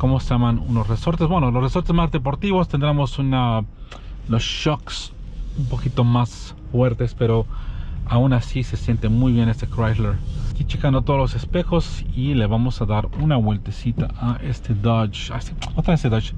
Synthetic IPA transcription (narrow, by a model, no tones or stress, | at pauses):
komosejamanṵnosresoɾt̪ezbwenolosresoɾt̪ezmazðep̬oɾt̪iβost̪end̪ɾemosuna | losʃoks | umpokit̪omas | fweɾt̪espeɾoaunasisesje̞nt̪emujβjenest̪ekɾasleɾkit͡ʃekand̪ot̪oðolosespexosileβamosaðaɾunaβwelt̪esit̪a̰ʔaʔest̪ʰeðat͡ʃ | aseot̪aest̪eðat͡ʃ